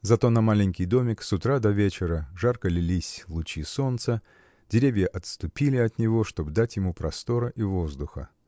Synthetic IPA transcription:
zɐt̪o̞nɐmalʲɪnʲkʲɪjd̪o̞mʲɪksʊt̪ɾad̪ɐvʲet͡ɕɪɾəʐarkəlʲɪlʲisʲvlˠʊt͡ɕiso̞nt̪sə | dʲɪɾʲevʲjəʔɐt̪st̪ʊpʲilʲɪɐt̪nʲɪvo̞ʂt̪o̞bd̪atʲjɪmupɾɐst̪o̞ɾəʔivo̞zd̪ʊxə̰

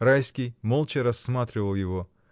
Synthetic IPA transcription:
ɾajskʲijmolˠt͡ʃɪɾɐsːmat̪ɾʲɪvəlˠjɪvo

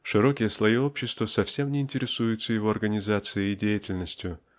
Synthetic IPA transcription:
ʂɨɾo̞kʲɪjəslˠɐjio̞pɕːɪst̪vəsɐfsʲe̞mnʲɪɪnʲtʲɪɾʲɪsujʊt̪səjɪvo̞ɐrɡənʲɪzat̪sɨjəidʲejɪtʲɪlʲnəsʲtʲjʊ

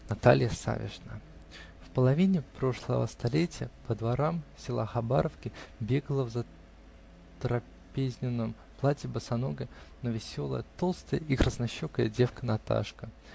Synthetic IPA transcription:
nɐt̪alʲjəsa̰vʲɪ̰ʐnə | fpəlˠɐvʲinʲɪpɾo̞ʂlˠə̰və̰st̪ɐlʲetʲɪjə̰pəd̪vaɾamsʲɪlˠa̰xɐbaɾəfkʲɪbʲeɡlˠəvzə | t̪ɾɐ | pʲezʲnʲɪnːɨm | plˠatʲɪbəsɐnoɡʲɪnəvʲɪsʲo̞lˠə̰jət̪o̞lˠst̪əjəikɾʔəsnɐɕːokəjədʲe̞fkənɐt̪a̰ʂkə

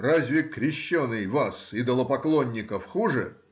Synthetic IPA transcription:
razʲvʲɪkɾʲɪɕːonːɨjvasɪd̪əlˠəpɐklˠonʲːɪkəfxuʐɨ

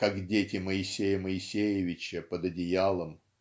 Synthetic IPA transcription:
kakdʲetʲɪməɪsʲejəməɪsʲejɪvʲɪt͡ɕəpəd̪ɐdʲɪjalˠəm

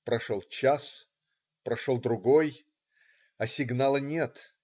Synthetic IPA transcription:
pɾɐʂolˠt͡ɕas | pɾɐʂolˠd̪ɾʊɡoj | ɐsʲɪɡnalˠɨnʲet̪

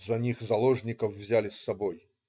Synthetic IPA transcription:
zɐnʲixzɐlˠoʐnʲɪkəfvzʲælʲɪsːɐboj

